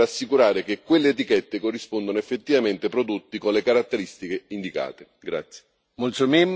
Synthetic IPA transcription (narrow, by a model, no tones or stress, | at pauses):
asːikuɾaːɾekekːwelːeːt̪̬ikɛt̪ːekorːispond̪onoefːet̪ːivament̪epɾod̪ot̪ːikonlekaɾat̪ːeɾist̪ikeind̪ika̰ːt̪e | ɡɾa̰t̪sje̥ | molsomem